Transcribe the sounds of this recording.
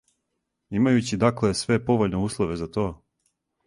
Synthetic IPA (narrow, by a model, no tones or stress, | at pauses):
imajut͡ɕid̪akle̞sʋe̞po̞ʋoʎne̞uːslˠoʋe̞zat̪o̞ː